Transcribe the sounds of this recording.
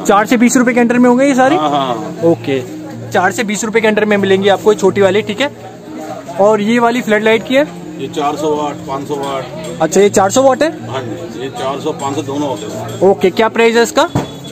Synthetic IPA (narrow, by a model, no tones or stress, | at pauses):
t͡ʃaːɾsebiːsɾʊpekeɐ̃ɳʈəɾmẽɦõːɡeijes̬aːɾiɦãoːke | t͡ʃaːɾsebiːsɾʊp̬ekeɐ̃ɳʈəɾmẽmɪlẽːŋɡiaːp̚koet͡ʃʰoːʈiʋaːliʈʰiːkɦɛː | ɔːɾjeʋaːlifʰlɛːʈlaːɪʈ̚kiɦɛː | jet͡ʃaːɾsɔʋaːʈ̚ʰpãːt͡ʃsɔʋaːʈʰɐtːʃʰajet͡ʃaːɾsɔʋɔːʈɦɛːɦãd͡ʒijet͡ʃaːɾsɔpãːt͡ʃsɔd̪oːnõʋɔːʈɛoːkekjaːpɾaːɪzɛɪskaː